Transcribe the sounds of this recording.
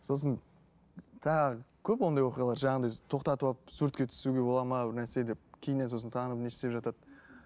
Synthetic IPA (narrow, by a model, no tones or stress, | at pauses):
so̞s̬ən | t̪ʰɑʁəkʲʰɵpwo̞nd̪ɑjwo̞qijɑlˠɑɾʒɑɑnd̪ɑjt̪ʰo̞qt̪ɑt̪uɑp̚suɾt̪̚kʲe̞t̪ʰʏ̥suɡʲe̞bo̞lˠɑməbɪɾnæɾse̞d̪e̞p̚kʲʰejnenso̞s̬ənt̪ʰɑnəəpneʃt̪e̞pʒɑt̪ɑt̪̚